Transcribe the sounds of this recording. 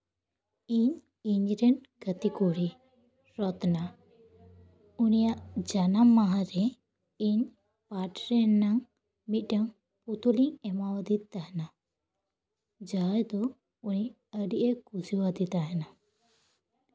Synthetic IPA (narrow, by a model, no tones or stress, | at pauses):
iɲ | iɲɾɛnɡət̪ikɔɾi | ɾɔt̪na | unijaʔd͡ʒanamːaɦãɾɛ | iɲ | paʈɾɛnːaŋ | mit̪̚ˀʈaŋ | put̪uliŋɛmawad̪it̪aɦɛna | d͡ʒajd̪ɔ | uni | əɖiʔekusiwad̪it̪aɦɛna